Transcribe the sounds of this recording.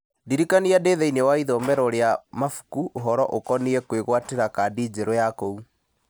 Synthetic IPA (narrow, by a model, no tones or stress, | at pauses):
diɾikaniadeðɛinɛwaiðɔmɛɾɔɾeamafu̥kuʔoɦɔɾɔʔokɔniɛkweɣwateɾakadiːd͡ʑeɾɔjakɔu